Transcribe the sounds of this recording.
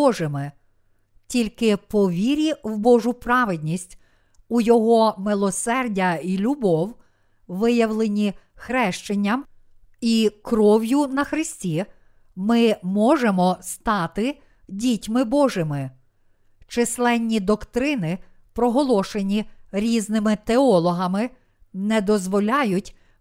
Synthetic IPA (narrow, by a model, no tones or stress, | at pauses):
ɔʒɪmɪ | tʲilʲkɪpɔʋʲiɾʲiwbɔʒʊpɾɑʋɪd̪ʲnʲisʲtʲ | ujɔɦɔmɪlˠɔsɛrdʲɐilʲubɔw | ʋɪjɐwlˠenʲi | xɾɛʃt͡ʃenʲːɐm | ikɾɔwjʊnɐxɾɪsʲtʲi | mɪmɔʒemɔst̪ɑt̪ɪ | dʲitʲmɪbɔʒɪmɪ | t͡ʃɪslˠɛnʲːid̪ɔkt̪ɾɪnɪ | pɾɔɦɔlˠɔʃenʲiɾʲiznɪmɪt̪eɔlˠɔɦɐmɪ | nɛd̪ɔzʋɔlʲɑjʊtʲ